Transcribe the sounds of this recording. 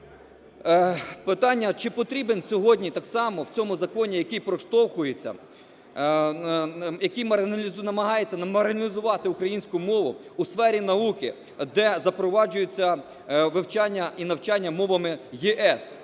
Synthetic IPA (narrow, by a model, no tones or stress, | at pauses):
pɪt̪ɑnʲːɐt͡ʃɪpɔt̪ɾʲibensʲɔɦɔdʲnʲit̪ɑksɑmɔwt͡sʲɔmʊzɐkɔnʲijɐkɪjpɾɔʃt̪ɔwxʊjet͡sʲːɐ̰ | jɐkijmɐɾɪnɐmɐɦɑjet͡sʲːɐnmɐɾɐlʲizʊʋɑt̪ɪʊkɾɐjinʲsʲkʊmɔʋʊ̰usfɛɾʲinɐukɪ | d̪ɛzɐpɾɔʋɑd͡ʒʊjet͡sʲːɐ | ʋɪwt͡ʃɑnʲːɐinɐwt͡ʃɑnʲːɐmɔʋɐmɪjeʔɛs